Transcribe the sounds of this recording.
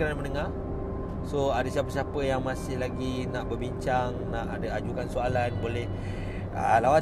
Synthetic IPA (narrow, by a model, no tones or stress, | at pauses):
ɾanamənəŋar | soadəsiapəsiapəjaŋmasɪhlaɡinaʔbərbiɲt͡ʃaŋnaʔadəad͡ʒukansoalanbolɛh | ə̰lawa